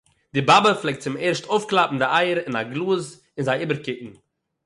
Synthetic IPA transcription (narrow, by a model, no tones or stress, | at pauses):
dɪbabəflˠɛɪk̚tt͡sɪmeɾʃtoʊfklˠapm̩dɪaɪəɾɪnaɡlˠuːz | ɪnzaɪiːbəɾkɪʔn̩